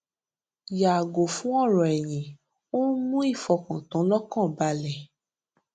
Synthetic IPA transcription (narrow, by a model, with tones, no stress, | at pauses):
ja˨ɡo˨fũ˦ɔ˦˨ɾɔ̃˨ɛ˨jĩ˨˦ | o˦mũ˦i˦˨fɔ˧kã˨tã˨˦lɔ˦kã˦˨ba˧lɛ˨